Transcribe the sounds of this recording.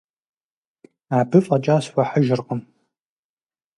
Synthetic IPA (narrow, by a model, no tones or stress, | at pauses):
aːbɨfʼɐt͡ʃʼaːswʷɐħəʒɪrqəm